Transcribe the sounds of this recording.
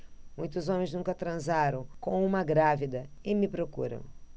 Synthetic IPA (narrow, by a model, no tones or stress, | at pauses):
mũj̃t̪ʊzõmẽj̃znũkɐt̪ɾɐ̃zaɾɐ̃w̃kõw̃ũmɐɡɾavid̪ɐɪmɪpɾokṵɾɐ̰̃w̃